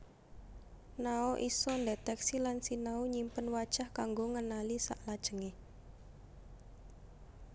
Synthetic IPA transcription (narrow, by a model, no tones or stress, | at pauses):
naoʔisɔndet̪ɛksilansinauɲimpənwad̥ʒ̥ahkaŋɡoŋənalisa̰ʔlad̥ʒ̥ə̤ŋe